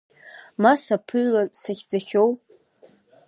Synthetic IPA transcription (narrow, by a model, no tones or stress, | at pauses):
masapʰɨɥlasaχʲd͡zaχʲowpʼ